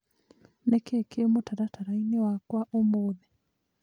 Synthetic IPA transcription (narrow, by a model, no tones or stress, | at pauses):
nɛkekemotaɾataɾainewakwaʔomoðɛ